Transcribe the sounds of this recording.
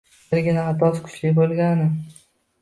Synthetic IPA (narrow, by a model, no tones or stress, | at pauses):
ɾɡʲɪnaat̪ʰɒskʰʊ̥t͡ʃlɪbolˠɡʲanɪ